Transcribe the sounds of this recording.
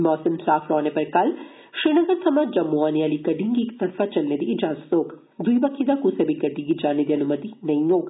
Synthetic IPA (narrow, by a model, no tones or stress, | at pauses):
mɔːsɐmsaːfʰɾɔːnepɐɾkɐl | ʃɾiːnɐɡəɾsɐmaːd͡ʒd͡ʒɐmːuaːniaːlikɐɖĩŋɡiːk̚t̪ɐɾfat͡ʃɐlned̪iːd͡ʒaːzət̪oːk | d̪uibɐkʰːid̪akusɐbʱikɐɖĩɡid͡ʒaːned̪iɐnumɐt̪inɐĩoːɡ